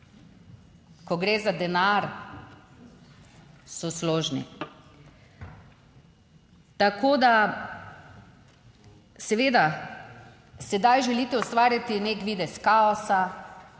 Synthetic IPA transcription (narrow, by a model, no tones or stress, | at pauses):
kɔɡɾeːzad̪ɛnaɾ | sɔsloːʒnḭ | t̪akoːd̪a | sɛʋeːd̪a | sɛd̪ajʒɛliːt̪ɛɔst̪ʋaːɾjat̪ineːkʋiːd̪ɛskaɔsa